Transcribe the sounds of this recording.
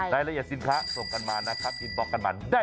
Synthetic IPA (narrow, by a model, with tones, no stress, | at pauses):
daː˧˩jla˧ʔi˨˩t̪̚si˨˧nkʰaː˦˥so˨˩ŋka˧nmaː˧na˦˥kʰa˦˥p̪̚ːʰi˨˧˩t̪bɔː˦˩kːa˧nmaː˧˩daː˥˩